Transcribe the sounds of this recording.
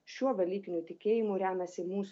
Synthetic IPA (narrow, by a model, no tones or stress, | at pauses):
ʃʲuɔbʲɛlʲiːkʲɪnʲut̪ʲɪkʲeːjɪmuɾʲæːmʲɛsʲɪmuːs